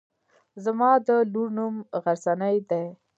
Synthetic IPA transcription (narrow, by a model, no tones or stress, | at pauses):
zamɑd̪əluɾnumɣaɾsanajd̪ej